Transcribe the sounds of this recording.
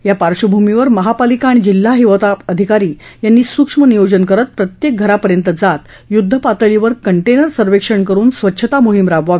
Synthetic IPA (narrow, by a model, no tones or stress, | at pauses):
japaɾʂəbʱumiʋəɾməɦapalikaːɽ̃id͡ʑil̤ːaɦiʋət̪aəd̪ʱikaɾiːjanːiːsukʂmənijod͡ʑənkəɾət̪̚pɾət̪jek̚ɡʱəɾapəɾjənt̪əd͡zat̪ | jud̪ʱːəpat̪əliʋəɾkəɳʈenəɾsəɾʋekʂəɳkəɾuːnsʋətːɕʰət̪amuɦimɾaʋʋaʋe